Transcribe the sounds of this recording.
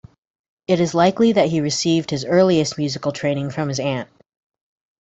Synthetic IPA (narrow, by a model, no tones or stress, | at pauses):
ɨɾɨzlaɪkliðɨt̚ɦiɹɨsivd̚hɨzɜ˞lˠiɨst̚mjʉzɨkl̩ˠtʰɹ̥ẽɪ̃ñɪ̃ŋfɹʌ̃mɨzæ̃nt̚